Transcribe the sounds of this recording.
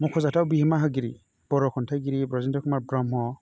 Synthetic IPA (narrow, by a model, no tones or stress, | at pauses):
mɔkʰɔzatawbiɦimaɦɯɡiɾḭ | b̥ɔɾɔkʰɔntʰaɡiɾibɾɔzintɔkʰɔmabɾɔmɦɔ